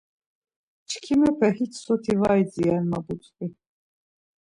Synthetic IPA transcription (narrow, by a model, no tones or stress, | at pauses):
t͡ʃʰkʰimɛpʰɛhit͡ʃʰsɔt̪ʰivajd͡zianmabut͡sʼkʼi